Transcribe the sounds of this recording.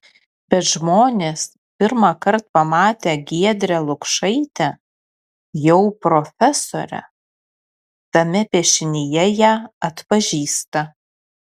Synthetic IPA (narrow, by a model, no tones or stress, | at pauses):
bʲɛt̪ʒmoːnʲeːs | pʲɪɾmɐkɐɾt̪̚pɐmɑːt̪ʲeːɡʲiɛd̪ʲɾʲɛlˠʊkʃɐɪt̪ʲɛ | jɛʊpɾofʲɛsoːɾʲɛ̰ | t̪ɐmʲɛpʲeʃʲɪnʲɪjɛjæːɐt̪pɐʒʲiːst̪ɐ